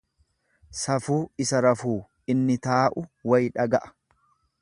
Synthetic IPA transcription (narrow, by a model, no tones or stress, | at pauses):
sɐfuːɪsɐɾɐfuː | ɪnːɪt̪aːʔʊwɐjᶑɐɡɐʔɐ̥